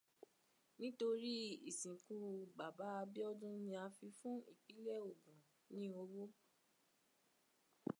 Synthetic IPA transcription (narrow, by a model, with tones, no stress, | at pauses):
nĩ˦to˧ɾi˦ḭ˨sĩ˨ku˧ba˨ba˨˦a˧bi˦ɔ˦dũ˦nĩ˧a˧fi˧fũ˦ḭ˦˨k͡pi˨˦lɛ˦˨o˨ɡũ˨ | nĩ˨˦o˧wo˦